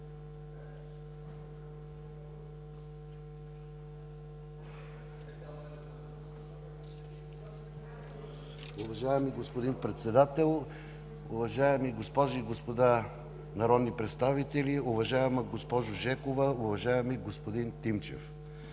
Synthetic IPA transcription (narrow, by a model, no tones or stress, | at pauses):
ʊvɐʒajɛmiɡospod̪inpɾɛt̪sɛd̪at̪ɛlˠ | ʊ̰vɐʒaɛmiɡospɔʒiɡospod̪a | nɐɾɔd̪nipɾɛt̪st̪avit̪ɛliʊvɐʒaɛmɐɡospɔʒʊʒɛkovɐʊvɐʒaɛmiɡospod̪int̪imt͡ʃɛ̰f